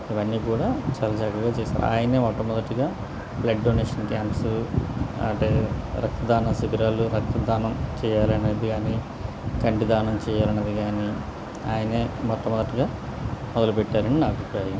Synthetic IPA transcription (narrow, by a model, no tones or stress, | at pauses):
iʋɐnːiːkuːɽaːt͡ʃaːlɐd͡ʒaːkɐɡaːt͡ʃɛːsa̰ːɾa̰ːjɐne̞ːmɔt̪ːɐmɔd̪ɐʈːiɡaː | blɐɖːoːneːʂɐnkaːmpsu | ɐ̰ʈeːɾɐk̚t̪ɐd̪ʱaːnɐsibiɾaːluɾɐk̚t̪ɐd̪ʱaːnɐmt͡ʃɛːjaːlɐne̞ːd̪iɡaːni | kɐɳʈid̪ʱaːnɐmt͡ʃɛːjaːlɐnːɐd̪iɡaːni | aːjɐneːmɔt̪ːɐmːɔd̪ɐʈːiɡaː | mɔd̪ɐlupɛʈːaːɾɐɳɖinɐbʱipɾaːjɐm